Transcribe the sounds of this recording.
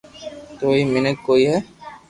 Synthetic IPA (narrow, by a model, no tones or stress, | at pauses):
t̪oimɪnək̚koiɦɛ